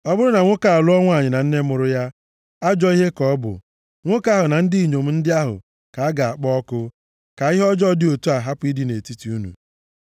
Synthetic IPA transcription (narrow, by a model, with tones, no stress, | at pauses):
ɔ˦bʊ˦ɾʊ˦na˨ŋʷʊ˦ka˨lʊ˦ɔ˦ŋʷ˦a˨ɲɪ˨na˨n̩˦ne˦mʊ˨ɾʊ˦ja˦ | a˦d͡ʒɔ˦i˦ɦe˦kɔ˦bʊ̰˨ | ŋʷʊ˦ka˦ɦʊ˨na˨n̩˦di˦i˨ɲo˨m̩˨˦n̩˦dɪ˦a˦ɦʊ̰˨ | ka˨a˦ɡa˨a˨k͡pɔ˦ɔ˦kʊ˦ | ka˨i˦ɦe˦ɔ˦d͡ʒɔ˦dɪ˨o˨tu˦a˨ɦa˦pʊ˨˦i˦di˦ne˨ti˦ti˨u˦nṵ˨